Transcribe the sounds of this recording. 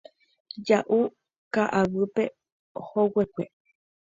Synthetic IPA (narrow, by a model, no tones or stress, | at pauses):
d͡ʒaʔu | kaʔaβɨpe | howekʷe